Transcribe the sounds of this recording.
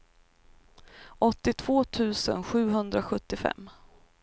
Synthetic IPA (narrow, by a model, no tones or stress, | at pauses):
ʔɔt̪ːɪt̪ʰv̥oːt̪ʰʉ̟ːsə̰nɧʉ̟ːɦɵnd̪ɾaɧɵt̪ːɪfɛ̰mː